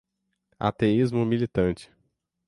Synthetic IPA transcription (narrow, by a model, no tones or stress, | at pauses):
a̰t̪eizmʊmilit̪ɐ̃nt͡ʃɪ̥